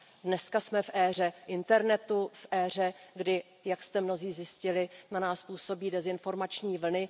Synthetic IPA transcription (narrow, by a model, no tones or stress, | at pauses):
dnɛskasmɛfʔɛːr̝ɛʔɪnt̪ɛɾnɛt̪ufʔɛːr̝ɛɡdɪ | jakst̪ɛmno̞ziːzjɪscɪlɪnanaːspuːso̞biːdɛzɪnfo̞ɾmat͡ʃɲiːvl̩nɪ